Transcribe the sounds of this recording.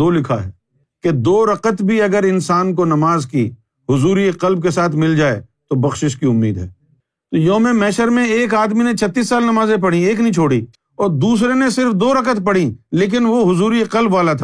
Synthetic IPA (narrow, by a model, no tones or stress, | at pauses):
oːlɪkʰa̰ɦɛ̰ː | ked̪oːɾɐqət̪bʱiɐɡəɾɪnsaːnkonɐmaːzki | ɦʊzuːɾieqɐlb̚kesaːt̪ʰmɪld͡ʒaːḛt̪obɐxʃɪʃkiʊmːḭːd̪ɦɛ̰ː | t̪ojoːmẽmɛːʃəɾmẽeːkaːd̪minẽt͡ʃʰɐt̪ːiːsːaːlnɐmaːzẽp̬ɐɽ̤ĩeːk̬nĩt͡ʃʰoːɽi | ɔːɾd̪uːs̬ɾenesɪɾfd̪oːɾɐqət̪pɐɽ̤ĩleːk̬ɪnʋoɦʊzuːɾieqɐlbʋaːlat̪ʰaː